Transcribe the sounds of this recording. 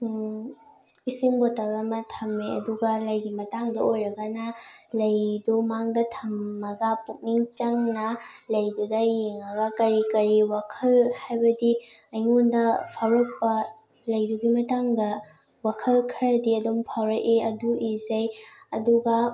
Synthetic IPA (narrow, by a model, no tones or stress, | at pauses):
isiŋbotɐlɐmɐtʰɐmːeɐ̰duɡɐlɐjɡimɐtaŋdɐʔojɾɐɡɐnɐlɐjdumaŋdɐtʰɐmːɐɡɐpuk̚niŋt͡ʃaŋnɐlɐjdudɐjeŋɐɡɐkɐɾikɐɾiwakʰɐlhajbɐdiɐjŋondɐpʰawɾok̚pɐ | lɐjduɡimɐtaŋdɐ | wakʰɐlkʰɐɾɐdiɐdumpʰawɾɐʔeɐduizɐjɐduɡɐ